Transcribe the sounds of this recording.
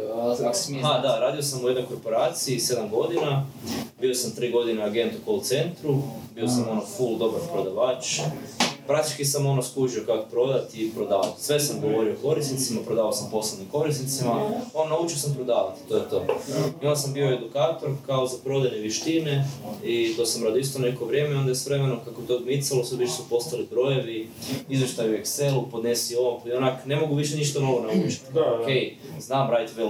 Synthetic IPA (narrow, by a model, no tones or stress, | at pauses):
ad̪aɾaːd̪io̞samujed̪nojko̞ɾpo̞ɾaːt̪siise̞d̪amɡo̞d̪inabio̞samt̪ɾiːɡo̞d̪ineaɡe̞nt̪ukolut̪se̞nt̪ɾubio̞samo̞nofulˠd̪o̞baɾpɾod̪aʋaːt͡ʃ | pɾak̚t̪it͡ʃkisamo̞noskuʒiokako̥pɾo̞d̪at̪ipɾo̞d̪aːʋa̰t̪sʋe̞samɡo̞ʋo̞ɾioko̞ɾisnit̪simapɾod̪aːʋaosampo̞slenimko̞ɾisnit̪simaonnːaut͡ʃiosampɾod̪aːʋat̪t̪o̞jet̪o̞ːimalsambio̞e̞d̪ukaːt̪o̞ɾkaozapɾo̞d̪aneʋjeʃt̪ine̞it̪o̞ːsamɾad̪oist̪onekoʋɾʲjemeo̞nd̪aesʋɾe̞me̞nokakoet̪od̪mit̪saloseʋiʃesupo̞st̪alibɾo̞je̞ʋiizʋjeʃt̪ajuekse̞lupo̞d̪ne̞sioaponakne̞mo̞ɡuʋiʃ̬eniʃt̪anolonaut͡ʃi̥t̪okej | znaːmɾajt̪ʋel